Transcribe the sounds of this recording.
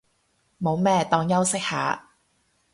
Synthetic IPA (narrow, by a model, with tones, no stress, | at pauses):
mo˨˧wmɛː˥t̪ɔː˧ŋjɐ˥wsɪ˥k̚ha̰ː˨˥